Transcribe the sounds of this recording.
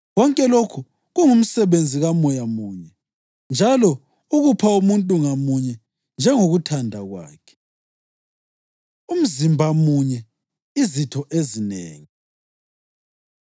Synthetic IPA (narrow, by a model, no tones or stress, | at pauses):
ɣɔŋkʼɛlokʰu | ɣuŋum̩sɛβend͡zʱiɣamɔjamuːɲɛ | nd͡ʒʱalɔ | uɣupʰaumuntʼuŋamuɲɛ | nd͡ʒʱɛŋoɣutʰandʱaɣwa̰ːkʰɛ̥ | um̩zimbʱamuɲɛ | izitʰɔʔezinḛːŋi